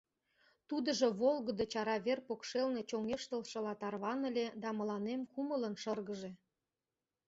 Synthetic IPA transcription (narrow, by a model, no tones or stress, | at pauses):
t̪ud̪əʒoβolɣəd̪ot͡ɕɑɾɑβerpokʃelne̽t͡ɕoŋeʃt̪əlʃɤ̆lɑt̪ɑrβɑnəlʲed̪ɑmə̆lɑnemkumələnʃərɣəʒe